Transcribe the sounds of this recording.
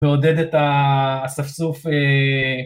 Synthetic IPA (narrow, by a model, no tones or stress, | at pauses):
eoded̪et̪asafsufe